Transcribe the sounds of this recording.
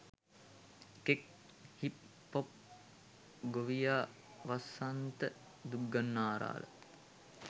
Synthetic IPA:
kek̚ | hip | pːop̚ | ɡoʋijaː | ʋasant̪ə | d̪uɡːanːaːɾa̰ːlə̰

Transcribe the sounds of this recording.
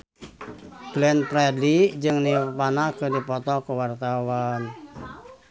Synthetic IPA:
b̥lɛnpɾɛdid͡ʒɨŋnipanakədipɔt̪ɔkəwart̪awan

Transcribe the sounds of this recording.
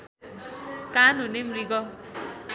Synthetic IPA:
kanunemɾiɡɔ

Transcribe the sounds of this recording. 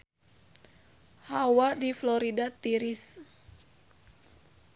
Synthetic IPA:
hawadiflɔɾidat̪iɾis

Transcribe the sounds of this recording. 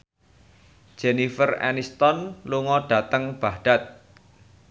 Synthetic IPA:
d̥ʒ̥enifərɛ̰nist̪ɔnluŋɔɖ̥ä̤t̪əŋb̥ahɖ̥at̪̚

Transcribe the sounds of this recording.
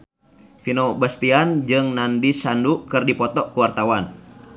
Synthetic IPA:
finɔbast̪iand͡ʒɨŋnandisandukɨrdipɔt̪ɔʔkuwart̪awan

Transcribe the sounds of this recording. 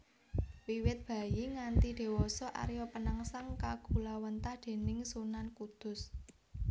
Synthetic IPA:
wiwɪt̪̚b̥ä̤jiŋant̪id̪̥e̤wɔsɔʔa̰ɾjɔpənaŋsaŋkaɡ̥ṳlawənt̪ahd̪̥e̤nɪŋsunankud̪̥ʊ̤s

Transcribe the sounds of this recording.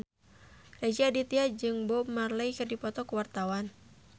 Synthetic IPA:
red͡ʒiadit̪iad͡ʒɨŋbɔmarlaikɨrdipɔt̪ɔkuwart̪awan

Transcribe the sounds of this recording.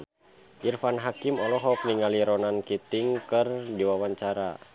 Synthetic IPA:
ʔirfanɦakimɔlɔɦɔk̚niŋaliɾɔnankit̪iŋkɨrdiwawaɲt͡ʃaɾa̰

